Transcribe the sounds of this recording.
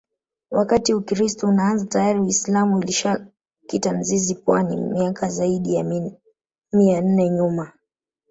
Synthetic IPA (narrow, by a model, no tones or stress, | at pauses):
wakatiukɾistɔunaanzatajaɾiwislamuiliʃa | kitan̩zizipwanḭmiakʰazaiɗija | mian̩nɛɲuma